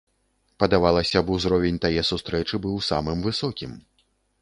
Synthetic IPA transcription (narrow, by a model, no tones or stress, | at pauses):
pɐd̪avalˠɐsʲɐbuzɾɔvʲenʲt̪ajɛsust̪ɾɛt͡ʂɨbɨwsa̰mɨmvɨsɔkʲim